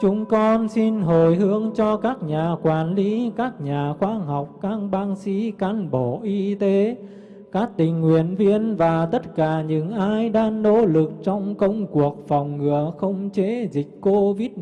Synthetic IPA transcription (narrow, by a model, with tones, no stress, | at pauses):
t͡ɕʊ˨˦ŋ͡mkɔ˧nsi˧nɦo˨˩jɦɨ˧əŋt͡ɕɔ˧kaː˦˥k̚ɲaː˨˩kwaː˨˩nli˨˦kaː˦˥k̚ɲaː˨˩xwaː˧ɦɔ˨˩wk͡p̚kaː˧˥ŋɓaː˧ŋsḭ˧˥ka˧nɓo˧˩ʔi˧t̪e˨˦ | kaː˦˥k̚t̪ï˨˩ŋ̟ːwḭ˧˨ənvi˧ənvaː˨˩t̪ə˦˥t̚kaː˧˩ɲɨ̰˧˥ŋʔaː˧jɗaː˧ŋno̰˧˥lɨ˨˩k̚t͡ɕɔ˧wŋ͡mkə˧wŋ͡mku˨˩ək̚fɔ˨˩wŋ͡mŋɨ˨˩əxə˧wŋ͡mt͡ɕe˧˦zï˨˩k̟̚ko˧vi˦˥t̚